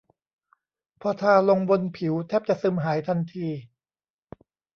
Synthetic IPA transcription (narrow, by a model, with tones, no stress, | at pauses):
pʰɔː˧t̪ʰaː˧lo˧ŋbo˧npʰi˨˩˦wt̪ʰɛː˥˩p̚t͡ɕa˨˩ʔsɯː˧mɦaː˩˦jt̪ʰa˧nt̪ʰiː˧